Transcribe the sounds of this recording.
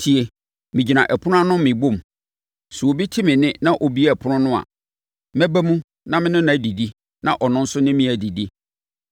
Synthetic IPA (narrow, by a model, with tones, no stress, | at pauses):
tʰi˨e˨ | mɪ̃˨d͡ʑi˨nã˨ʔɛ˨pʰʊ˦nʊ̃˦a˦nʊ̃˦mmɪ̃˨bo˦˨m | su˨o˨bi˦tʰi˦mɪ̃˨nɪ̃˦nã˦ʔo˨bi˦e˦˨pʰʊ˦nʊ̃˦nʊ̃˦a̰˨ | mɛ̃˦bæ˦mũ˦ | nã˦mɪ̃˦nɪ̃˦nã˨˦˨di˨di˦ | nã˨ʔɔ˨nʊ̃˦n̩˦sʊ˦nɪ̃˦mɪ̃˦æ˨di˨di˦